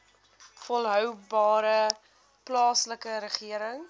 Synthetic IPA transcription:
fɔlˠɦœwbɑːɾə | plɑːsləkəɾəχiəɾəŋ

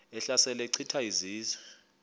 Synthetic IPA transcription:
ɛɬasɛlɛǀʰitʰaiziːzwɛ

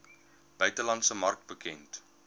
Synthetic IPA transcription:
b̥œɥtəlɐntsəmɐrk̚t̚bəkɛnt

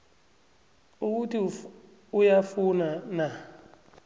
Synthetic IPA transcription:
uk̬utʰi | ujafunana

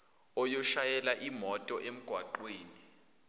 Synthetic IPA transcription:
ɔjɔʃajɛlaʔimɔtʼɔʔem̩ɡ̥ʱwaǃweːni

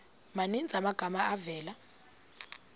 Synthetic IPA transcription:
manind͡zʱamaɡ̥ʱamaavɛːla

